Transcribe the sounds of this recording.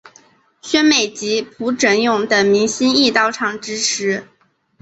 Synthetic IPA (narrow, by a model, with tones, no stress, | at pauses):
ɕɥɛ˥nme˨˩ɪt͡ɕi˧˥pʰu˧˥ʈ͡ʂə˧˥njʊ˨˩ŋd̪ə˩mi˧˥ŋɕi˥ni˥˧t̪ɑ˥˩ʊʈ͡ʂʰɑ˨˩ŋʈ͡ʂɻ̩˥ʈ͡ʂʰɻ̩˧˥